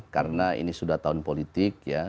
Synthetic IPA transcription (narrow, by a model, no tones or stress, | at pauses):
kaɾənaḭnisudaht̪aʊnpolit̪ɪk̚ja